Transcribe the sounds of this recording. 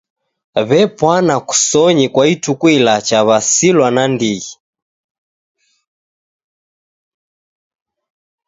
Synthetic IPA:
βɛpwanaku̥sɔɲikwaitukwilat͡ʃaβasilwanandiɣi

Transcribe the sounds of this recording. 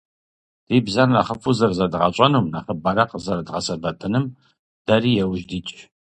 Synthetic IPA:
d̥iːbzɐrnɐχəfuzɐrzɐdʁɐɕʼɐnuːnɐχəbɐɾɐqzɐɾdʁɐsɐbɐtʰɨnɨm | d̥ɐriːjɛwʒdiːt͡ʃʼ

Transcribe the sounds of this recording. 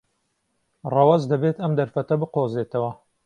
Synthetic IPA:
rɑwɐzd̪ɐbet̪ɐmd̪ɐɾfɐt̪ɐbɨqoːzeːt̪ʰɐwɐ

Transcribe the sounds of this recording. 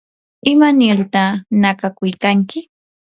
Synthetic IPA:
ɪmanɪɾt̪anakakʊjkaŋkɪ

